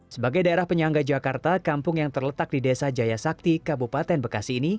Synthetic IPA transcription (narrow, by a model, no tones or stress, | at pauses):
səbaɡajdaeɾahpəɲaŋɡad͡ʒakart̪akampʊŋjaŋt̪ərlət̪ak̚didesad͡ʒajasak̚t̪ikabupat̪ɛnbərkasiːni